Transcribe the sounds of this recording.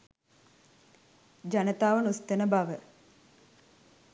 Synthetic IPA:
d͡ʒanət̪aːʋənust̪ənəbaʋə

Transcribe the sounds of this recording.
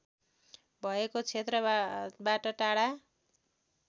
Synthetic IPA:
bʱʌekot͡sʰet̪rʌbaʈʌʈaɽa

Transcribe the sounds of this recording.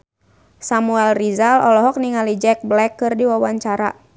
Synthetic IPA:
samuɛlrizalɔlɔɦɔk̚niŋalid͡ʒɛk̚blɛkːɨrdiwawaɲt͡ʃaɾa̰

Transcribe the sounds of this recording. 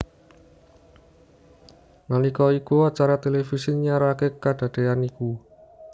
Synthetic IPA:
nanikɔikuat͡ʃaɾat̪elefisiɲaɾakekad̥ä̤d̪̥e̤aniku

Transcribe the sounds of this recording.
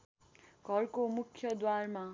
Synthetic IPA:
ɡʱʌrkomukʰjʌd̪warma

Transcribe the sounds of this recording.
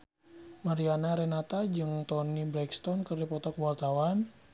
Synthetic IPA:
maɾianaɾɛnat̪ad͡ʒɨŋt̪ɔniblɛkst̪ɔnkɨrdipɔt̪ɔkwart̪awan

